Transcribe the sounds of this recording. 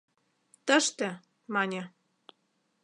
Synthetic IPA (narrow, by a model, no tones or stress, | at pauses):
t̪əʃt̪ĕ | mɑnʲe